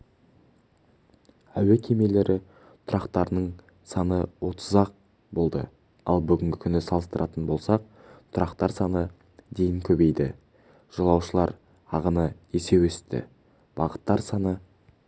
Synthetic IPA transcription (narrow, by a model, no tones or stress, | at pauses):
æwekʲʰeme̞le̞ɾʔɪ | t̪ʰʊɾɑqt̪ɑɾənəɴ | sɑnəwo̞t̪ʰəzɑq̚ | bo̞lˠd̪ə̰ | ɑ̰lˠbʏɡʲɪŋɡʲɪkʲʰʏnɪsɑlˠəst̪əɾʔɑt̪ənbo̞lˠsɑq̚ | t̪ʰʊɾɑqt̪ɑɾsɑnə | d̪e̞jɪŋkʲʰɵbe̞jd̪ɪ̰ | ʒ̥əlˠɑwʃəlˠɑɾ | ɑʁənə | e̞se̞west̪ɪ̰ | b̥ɑʁət̪ːɑɾsɑnə